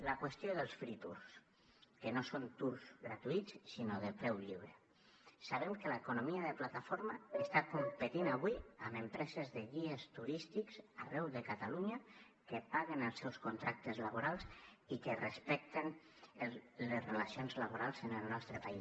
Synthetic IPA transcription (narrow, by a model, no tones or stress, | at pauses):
lakwəst̪joðəlˠsfɾit̪ṵɾs | kənosont̪uɾzɣɾat̪uit̪t͡ssinoðəpɾɛwʎiβɾə | saβ̞ɛmkəlaekunomiaðəplat̪afoɾmaest̪akumpət̪inaβwiaməmpɾɛzezðeɣiest̪uɾist̪ikza̰rɛwðəkat̪aluɲa | kəpaɣenəlˠsɛwskunt̪ɾak̚t̪əzlaβoɾalˠzikərespɛk̚t̪en | lezrelasionzlaβ̞oɾalˠzənəlˠnɔst̪ɾəpai